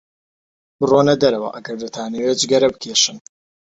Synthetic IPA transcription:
bɨronɐd̪ɐɾɐwɐ̰ʔɐɡɐɾd̪ɐt̪ʰaːnewed͡ʒɡɐɾɐbɨkʰeːʃɨn

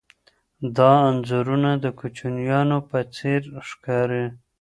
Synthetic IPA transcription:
d̪ɑːnzuɾunad̪əkut͡ʃunjɑnopət͡seɾʃkɑɾe

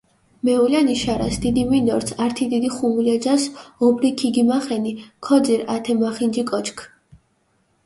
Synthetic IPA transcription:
mɛulaniʃaɾa̰sd̪id̪iminɔɾsʰaɾt̪ʰid̪id̪iχumulɛd͡ʒasɔbɾikʰiɡimaχɛnikʰɔd̪ziɾat̪ʰɛmaχind͡ʒikʼɔt͡ʃʰkʰ

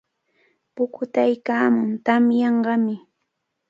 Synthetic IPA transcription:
pʊkʊt̪ajkaːmʊnt̪amjɑɴɢɑmɪ

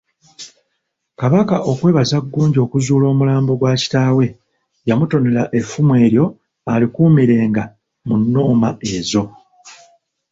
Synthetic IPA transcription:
kaβakaʔo̞kwe̞ːβazaɡːuːɲɟo̞ːkuzuːlo̞ːmulaːmbo̞ɡwaːci̥taːwe̞ | jamuto̞ne̞laʔe̞fumwe̞ːɾjo̞ | alikuːmiɾe̞ːŋɡa | munːo̞ːmae̞zo̞

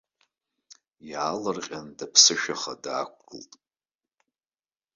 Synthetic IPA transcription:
jaːlɨrqʲʼandapʰsɨʃᶣaχadaːk̚ʷʰɡʼɨltʼ

